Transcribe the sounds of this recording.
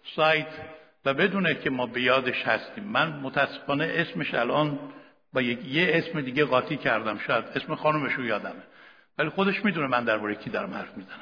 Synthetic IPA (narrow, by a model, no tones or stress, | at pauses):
sɒːjt̪ʰ | væbe̞d̪uːnecʰemɒːbe̞jɒːd̪e̞ʃhæst̪iːmːænmot̪ʰææsːe̥fɒːneʔesme̞ʃæ̰lʔɒːn | bɒːjekʰjeesme̞d̪iːɡeɣɒːt̪ʰiːcʰæɾd̪æmʃɒːjæd̪e̞smexɒːnume̞ʃujɒːd̪æme | vælixod̪e̞ʃmiːd̪uːnemænd̪æɾbɒːɾecʰiːd̪ɒɾæmhæɾfmizænæm